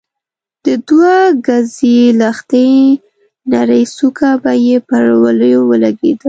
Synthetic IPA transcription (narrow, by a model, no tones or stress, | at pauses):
d̪̥əd̪waɡazilaxt̪a | naɾəjsukabajepəɾwaləjowəlaɡḛd̪ə